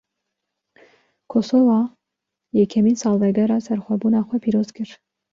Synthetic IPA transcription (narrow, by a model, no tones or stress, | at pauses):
kʰosovɑ | jɛkʰɛmiːnsɑːlˠvɛɡɛɾɑːsɛɾxʷɛbunɑːxʷɛpʰiːɾoːzkʰɨɾ